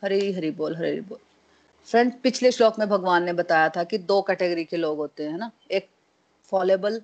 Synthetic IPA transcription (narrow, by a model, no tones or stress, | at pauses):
hɐɾiɦɐɾiboːlɦɐɾiiboːl | fɾɛ̃ɳʈpɪt͡ʃʰleʃʈɔːkmẽbʱɐɡʋaːnːebɐt̪aːjat̪ʰakid̪oːkɛːʈeɡəɾikeloːɡɦoːt̪eɦɛ̃ːna | eːk̚ | fɔːleːbəl